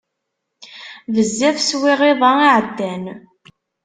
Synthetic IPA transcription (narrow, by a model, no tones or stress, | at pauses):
vəzːæfswiʁeðˤɑiʕəd̪ːæn